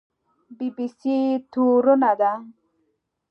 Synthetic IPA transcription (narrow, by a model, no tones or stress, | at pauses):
bibisit̪ʰuɾonad̪a